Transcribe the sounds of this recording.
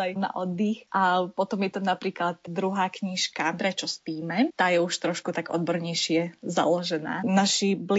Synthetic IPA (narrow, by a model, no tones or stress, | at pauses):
ajna̰ʔɔd̪ːixʔapɔt̪ɔmjɛt̪anapɾiːklat̪d̪ɾuɦaːkɲiʃkapɾɛt͡ʃɔspiːmɛt̪aːjɛuʃt̪ɾɔʃkut̪aɡɔ̰d̪bɔɾɲɛjʃɪɛza̰lɔʒɛna̰ːnaʃibl